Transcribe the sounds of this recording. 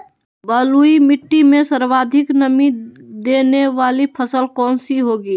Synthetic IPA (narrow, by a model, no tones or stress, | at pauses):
bəːluimɪʈːimẽsəɾʋaːd̪ʱɪknəmid̪eːneʋaːlipʰəsəlkɔːnsiɦoːɡiː